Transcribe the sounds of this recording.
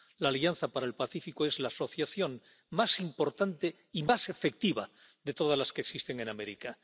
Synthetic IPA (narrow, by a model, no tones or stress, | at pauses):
laːlian̟θapaɾae̞lpaθifikoezlaːso̞θjaθjo̞ŋ | masimpo̞ɾt̪ant̪e̞ | imase̞fe̞k̚t̪iβa | d̪e̞t̪o̞ð̞azlaskeksist̪e̞ŋe̞name̞ɾika